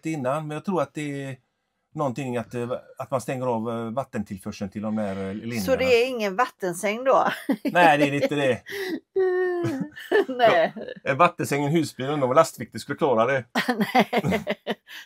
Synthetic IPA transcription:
t̪ɪnːanmɛnjɑːɡt̪ʰɾuːɾat̪̚d̪ɛː | nɔnt̪ɪŋːat̪at̪manst̪ɛŋːəɾɑːvːat̪ːənt̪ʰɪlfœʂənt̪ʰɪld̪ɔmd̪æːɾlɪnssɔd̪ɛːɾɪŋːənvat̪ːənsɛŋːd̪ɔnɛɪd̪ɛɛɾɪnt̪ːəd̪ɛ | nɛɛnvat̪ːənsɛŋːənɦʉ̟ːsbyːɾənd̪ɔmlast̪vɪk̚t̪əskɵlːəkʰlɑːɾad̪ɛnɛ

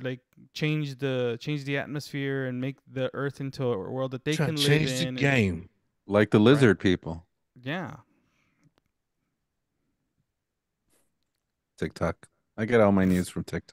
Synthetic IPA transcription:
laɪk̚t͡ʃʰẽɪ̃nd͡ʒðɨt͡ʃʰẽɪ̃nd͡ʒðiæ̰t̚mɨsfɪɹɨ̃nmeɪk̚ðiʔɜ˞θɪ̃ntʰṵwɜ˞lˠd̪̚ðɨt̪̚ðeɪnlt͡ʃẽɪ̃nd͡ʒɪðɨ̃nɡẽɪ̃m | laɪk̚ðəlɪzə˞d̚pʰipl̩ˠ | jæ | tʰɪk̚tʰɑk | aɪɡɛɾɔlˠmaɪnjʉz̥fɹʌ̃mtʰɪk̚tʰɑ

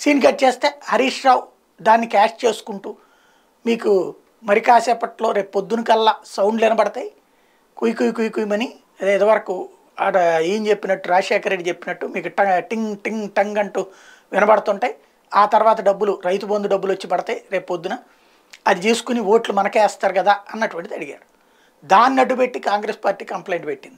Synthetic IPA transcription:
siːnɡɐʈ̚t͡ʃeːst̪e̞ːhɐɾiːʂɾaːw | d̪aːnːikaːʂt͡ʃe̞ːsu̥kuɳʈuː | miːku | mɐɾikaːsɛːpɐʈlo̞ːɾe̞ːppod̪ːunukɐlːasɐwɳɖlɛnɐbɐɽɐt̪aːji | kujkujikujikujimɐni | ɐd̪id̪ɐʋɐɾɐku | ɐiːɲt͡ʃepːinɐʈːuɾaːɐʂɛːkɐɾeɖːit͡ʃe̞pːinɐʈːumiːkuʈɐʈiŋʈiŋʈɐŋɡɐɳʈuː | ʋɪnɐbɐɽɐt̪uɳʈaːji | aːt̪ɐɾuʋaːt̪ɐɖɐbːuluɾɐjt̪ubond̪uɖɐbːulɐt͡ʃːibɐɽɐt̪aːjɾe̞ːpːod̪ːunɐ | ɐd̪it͡ʃeːsu̥kuniʋo̞ːʈlumɐnɐkɛːst̪aːɾuɡɐd̪aːɐnːɐʈuʋɐɳʈid̪iɐɽiɡa̰ːɽu | d̪aːninɐʈːubeʈːikaːŋɡɾeːspaːɾʈiːkɐmplejɳʈbeʈːind̪ii

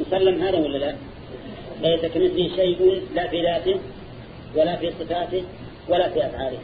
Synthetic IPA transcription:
ʊsɐlːamɦaːd̪awɐlːɐla | lɐjsɐkɐmɪslɪʃejʔʊnlaːfiːd̪aːt̪ɪ | wɐlaːfiːsˤɨfaːt̪ɪ | wɐlaːfiːʔɐsʕaːɾɪ

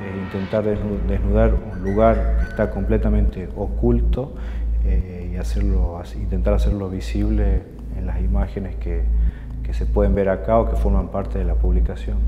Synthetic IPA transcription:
eint̪ent̪aɾðed̪e̞znuðaɾunluɣaɾkeht̪ako̞mplet̪amẽnt̪e̞ʔokult̪o̞e | iaseɾloasint̪ent̪aɾaseɾlo̞βisiβ̞le | enlasimaxe̞neske | kesepwe̞ð̞e̞mbe̞ɾakao̞ke̞fo̞ɾmampaɾt̪eðe̞lapuβlikasjo̞n

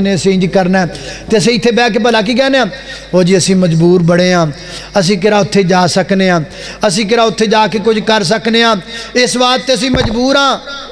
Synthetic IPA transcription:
nẽːsẽːɲd͡ʒkəɾnɛːt̪eːəsĩːɪt̪ʰːeːbɛːk̬ep̬əlaːk̬iːk̬ɛːneːãː | ɦoːd͡ʒiːəsĩːməd͡ʒbuːɾbəɽeːɦãː | əs̬ĩːk̬ɪɾaːʊt̪ʰːeːd͡ʒaːsəkneːãː | əs̬ĩːk̬ɪɾaːʊt̪ʰːeːd͡ʒaːkeːkʊd͡ʒkəɾs̬əkneːãːɪsbaːɾt̪ːeəs̬ĩːməd͡ʒbuːɾãː

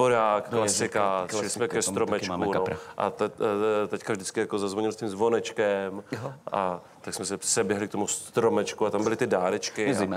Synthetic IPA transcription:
boɾaːkklasɪkaʃlɪsmɛkkɛst̪ɾomɛt͡ʃːkuoɾʔa̰t̪t̪ɛckavʒdɪt͡skɪjakozazvoɲɪlscɪmzvo̞nɛt͡ʃkɛmʔa | t̪aksmɛsɛsɛbjɛɦlɪk̚t̪omust̪ɾomɛt͡ʃkuat̪ambɪlɪt̪ɪdaːɾɛt͡ʃkkɪ

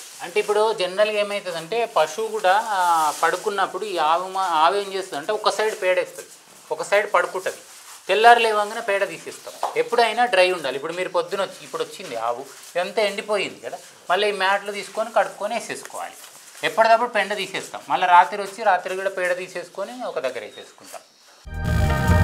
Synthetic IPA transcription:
ɐɳʈe̞ip̬ːuɽoːd͡ʒenɾɐlɡe̞ːmɐjt̪ɐd̪ɐɳʈe̞ːpɐʂukuːɽaːpɐɽukunːɐpːuɽuiːaːʋumaːʋɐːɐmt͡ʃe̞ːst̪und̪ɐɳʈe̞ːɔkɐsɐjɖpɛːɽɐːst̪ɐd̪i | ɔkɐsɐjɖpɐɽukuɳʈːɐd̪i | t̪ɛlːaːɾulɛːʋɐŋɡɐnaːpɛːɽɐt̪iːseːst̪a̰ːmepːuɽuɐjɐnaːɖɾɐjuɳɖaːlipːuɽumiːɾupod̪ːunot͡ʃːiːpːuɽot͡ʃːind̪ia̰ːʋu | ent̪ɐːeɳɖipo̞ːjind̪ikɐd̪aː | mɐɭːiiːmaːʈlut̪iːsu̥ko̞ːnikɐɽupkoːneːse̞ːsu̥kɔ̰ːʋa̰ːli | epːɐɽɐd̪ɐpːuɽupeɳɖɐt̪iːseːst̪a̰ːmmɐɭːɐɾaːt̪ɾiot͡ʃːiɾaːt̪ɾikuːɽapɛːɽɐd̪iːseːsu̥ko̞ːniɔkɐd̪ɐɡːɐɾḛːsḛːsu̥kuɳʈa̰ːm

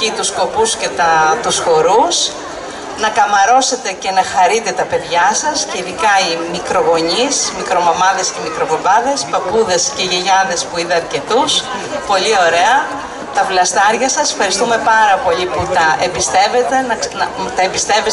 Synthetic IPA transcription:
it̪usko̞pusce̞t̪ɐt̪usxo̞ɾus | nɐkɐmɐɾo̞se̞t̪e̞ce̞nɐxɐɾit̪e̞t̪ɐpe̞ðʝɐsɐsceiðikɐimikɾo̞ɣo̞ɲismikɾo̞momɐðe̞sce̞mikɾo̞vobɐðe̞spɐpuðe̞sceʝiʝɐðe̞spuiðeɐɾce̞t̪us | po̞ʎio̞ɾe̞ɐ | t̪ɐplɐst̪ɐɾʝɐsɐsfxɐɾist̪ume̞pɐɾɐpo̞ʎiputt̪ɐʔepist̪e̞ve̞t̪e̞nɐnɐt̪ɐebist̪e̞vi

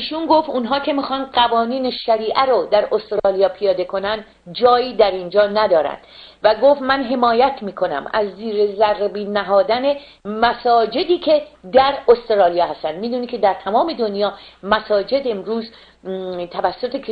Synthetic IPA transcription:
iːʃunɡoft̪unɦɒːkʰe̞mixɒːnd̪ɢævɒːniːneʃæɾiːʔæɾod̪æɾʔost̪ɾɒːlijɒːpʰijɒːd̪e̞kʰo̞nænd̪ | d͡ʒɒːiːd̪æɾind͡ʒɒːnæd̪ɒːɾæ̰nd̪̥ | væɡoft̪mænɦe̞mɒːjæt̪ʰmiːkʰo̞næ̰mæ̰zːiːɾezærbiːnæɦɒːd̪æne̞ | mæsɒːd͡ʒe̞d̪iːcʰe̞d̪æɾost̪ɾɒːlijɒːhæst̪ænd̪miːd̪uːnicʰe̞d̪æɾt̪ʰæmɒːme̞d̪o̞njɒːmæsɒːd͡ʒe̞d̪e̞mɾuːz | t̪ʰævæsːo̞t̪ʰek

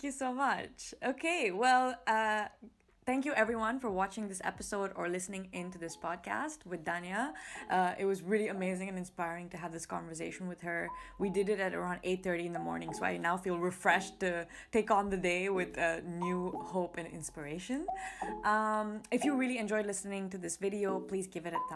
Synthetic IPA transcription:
kjɨsoʊmʌt͡ʃoʊkʰeɪwɛlˠʌ | θæ̃ŋkjɨʔɛvɹiwʌ̃nfə˞wɑt͡ʃɪ̃ŋðɪsɛ̰pɨsoʊɾə˞lɪsnɪ̃ŋɪ̃ntuðɪspʰɔd̚kʰæ̰st̚wɨðdænjəʔʌʔɪt̚wʌzɹɪlˠiɨmeɪzɪ̃ŋɨ̃nɨ̃nspaɪɹɪ̃ŋtɨəvðɪskɑ̰̃nvə˞s̬eɪʃə̃n̩wɨð̥ə˞widɨɾɨɾɨɾə̰˞ãʊ̃ndeɪt̪̚θɜ˞ɾiɨ̃nðəmɔ̰ɹnɪ̃ŋsoʊa̰ɪnaʊfilˠɹɨfɹɛʃtɨteɪkn̩ðɨdeɪwɪðʌnjuhoʊpɨ̃nɪ̰̃nspə˞eɪʃɨ̃nʔʌ̃mɨfjɨɹɪlˠiɨ̃nd͡ʒɔɪdˡlɪsnɪ̃ŋtɨðɪsvɪɾioʊpʰl̥izɡɪvɨɾɨt̪̚

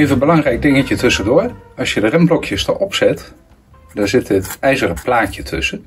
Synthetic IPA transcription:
ɪəvənbəlɑŋrɛjk̚dɪŋəcətʰøsədoərɑsjədərɛmblɔkʰjəstɔ̰ʔɔpsɛt | dɔnzɪtətɛjzərəplaːcətʰɵ̰sə

